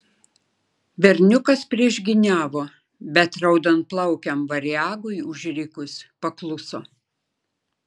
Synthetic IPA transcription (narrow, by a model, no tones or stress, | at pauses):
ʋʲɛɾʲnʲʊkɐspʲɾʲiɛʒʲɡʲɪnʲæːʋoː | bʲɛt̪ɾɐʊd̪ɐnt̪̚plˠɐʊkʲɛmʋɐɾʲjæːɡʊɪʊʒʲɾʲikʊspɐklˠʊsoː